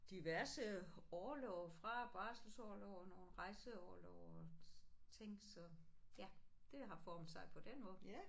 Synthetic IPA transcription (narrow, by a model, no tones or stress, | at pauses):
d̥iʋæɐsəɒlɔʊfʁɑ̈b̥ɑ̈sl̩sɒːlɔʊ̰no̝ːn̩ʁɑ̈ɪsəɒːlɔʊ | t͡sʰe̝ŋ̰sɒ̽jæd̥e̝ɦɑ̈fɒːmn̩sɑ̈ɪpʰɒ̽d̥enmɔ̽ːð̩ˠ